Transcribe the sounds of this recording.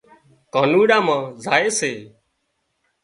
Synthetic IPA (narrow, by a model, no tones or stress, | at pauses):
kaːnuːɗãːmãːzaːeːseː